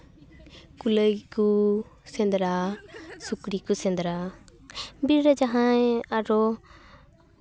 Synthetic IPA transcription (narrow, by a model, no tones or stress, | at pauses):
kuləjku | sɛnd̪ɾasukɾikusɛ̃nd̪ɾa | biɾɾad͡ʒaɦãeaɾɔ